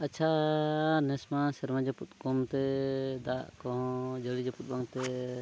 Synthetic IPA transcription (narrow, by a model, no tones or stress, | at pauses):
at͡ʃʰa | nɛsmasɛɾmad͡ʒɔput̪̚kɔmt̪ɛd̪aʔkɔɦɔ̃d͡ʒəɽid͡ʒɔput̪̚baŋt̪ɛ